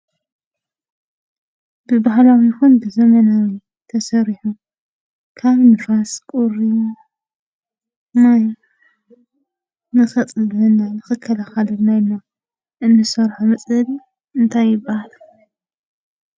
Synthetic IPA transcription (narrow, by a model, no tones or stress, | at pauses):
b̥ɨbahlawjɪxunbɨzɐmɐnawi | t̪ʰɐsɐɾiħu | kʰaβnɨfaskʼuɾi | maj | nɨxɐt͡sʼɨlɨnːajnɨxɨkʰːɐlaxalɨnːajnːa | ʔɨnːɨsɐɾħamɐt͡sʼɐl | ɨnt̪ʰajːɪbahal